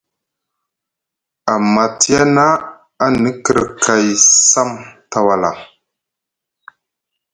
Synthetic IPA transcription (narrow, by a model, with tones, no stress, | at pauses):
a˨ma˨ti˦ja˦na˦ | a˦nə˦kə˨ɾə˨kʰa˨jsa˦mta˨wa˨la̰˨